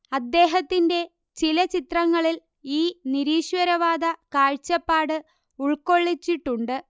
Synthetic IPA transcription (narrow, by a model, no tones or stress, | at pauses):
ɐd̪ːe̞ːɦɐt̪ːinde̞ | t͡ɕilɐt͡ɕit̪rɐŋːɐɭil | iːniɾiːɕwɐɾɐʋaːd̪ɐkaːɻt͡ɕːɐpːaːɽɨ | uɭko̞ɭːit͡ɕːiʈːuɳɖɨ